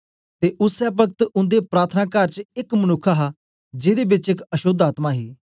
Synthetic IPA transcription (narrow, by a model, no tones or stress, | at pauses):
t̪eːʔʊsɛːp̬ək̚t̪ʊ̃nd̪epɾaːɾt̪ʰənaːkəɾt͡ʃɪkmənʊkʰːaɦaː | d͡ʒɪd̪eːbɪt͡ʃɪkəʃʊd̪aːt̪maːɦiː